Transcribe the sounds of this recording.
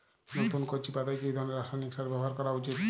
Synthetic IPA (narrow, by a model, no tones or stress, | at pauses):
not̪unkot͡ɕʰipad̪ajkeejd̪ʱɔɾneɾaʃajnikʃaɾbɛboɦaɾkɔɾaut͡ɕit̪